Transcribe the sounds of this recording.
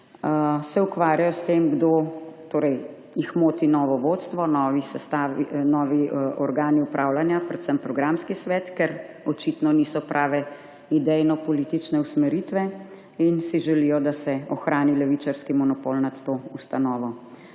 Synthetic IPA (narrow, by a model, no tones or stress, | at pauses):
sɛukʋaːɾjajɔst̪eːmɡd̪ot̪oːɾɛj | jixmoːt̪inɔːʋɔʋot̪st̪ʋɔnɔːʋisɛst̪aːʋinɔːʋiʔɔɾɡaːniupɾʔaːwlanjapɾɛt̪səmpɾɔɡɾamskisʋɛːt̪kɛɾ | ɔt͡ʃit̪nɔnisɔpɾʔaːʋɛ | id̪ɛjnɔpɔliːt̪it͡ʃnɛusmɛɾit̪ʋɛ | insiʒɛlijɔd̪asɛɔxɾʔaːnilɛʋit͡ʃaɾskimɔnɔpolnat̪ːoːust̪anɔːʋɔ